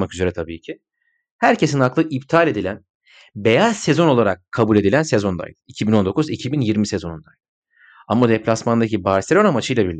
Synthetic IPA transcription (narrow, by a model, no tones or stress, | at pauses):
akyze̞ɾɛt̪ʰabiːcʰi | hæɾcʰe̞sinaklˠɯʔip̚t̪ʰaːlʲe̞d̪ilʲæn | be̞jaz̥se̞zo̞no̞lˠaɾakʰːabulʲe̞d̪ilʲænsezo̞nd̪a̰j̰d̪icʰibino̞nd̪o̞kʰuzicʰibinjiɾmisezo̞nund̪a̰jd̪ˠ | amːad̪eplʲasmand̪acibaɾse̞lʲo̞namat͡ʃʰɯjlˠabiɾlʲi